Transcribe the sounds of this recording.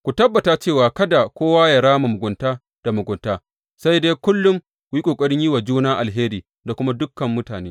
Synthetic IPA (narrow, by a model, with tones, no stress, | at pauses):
kʷu˨tɐ˦bːɐ˨ta˨t͡ʃeː˦˨waː˨kɐ˦da˨kʷoː˦waː˦ja˨ɽaː˦ma˨mʊ˨ɡʷʊ˨ntaː˦ | d̥a˨mʊ˨ɡʷʊ˨ntaː˦ | sa˦jdeː˦kʊ˦lːʊ˦m | wi˦kʷʼoː˨kʷʼɐ˦ɽɪ˦ɲji˦wa˨d͡ʒuː˦naː˦ʔa˨lɦeː˦ɾiː˨ | da˨kʷʊ˦ma˦dʊ˦kːɐ˨mːʊ˦taː˨neː˦